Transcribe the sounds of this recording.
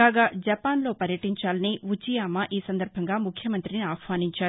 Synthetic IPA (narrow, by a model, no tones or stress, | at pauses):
aːɡaːd͡ʒɐpaːnlo̞ːpɐɾjɐʈiɲt͡ʃaːlɐniʋut͡ʃijaːmɐʔiːsɐnd̪ɐɾbʱɐŋɡaːmukʰjɐmɐnt̪ɾiniaːkʋaːniɲt͡ʃaːɾu